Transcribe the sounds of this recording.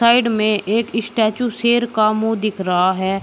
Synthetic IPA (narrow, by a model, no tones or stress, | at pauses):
aːɪɖmẽʔeːkɪsʈɛːt͡ʃuseːɾkamũd̪ɪkʰɾɐɦaɦɛː